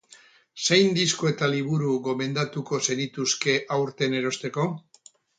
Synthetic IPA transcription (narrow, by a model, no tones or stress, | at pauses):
se̞jnd̪iskoe̞t̪aliβ̞uɾuɣo̞me̞nd̪at̪uko̞se̞nit̪uske̞ʔawɾt̪e̞ne̞ɾo̞st̪e̞ko̞